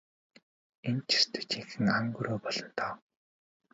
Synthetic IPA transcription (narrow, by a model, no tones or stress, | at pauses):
ent͡ɕʰi̥st̪ʰɵ̥̆t͡ɕiŋxɘ̆ŋaŋɡuɾʔoːpɔɮɞ̆n̥t̪ʰɔː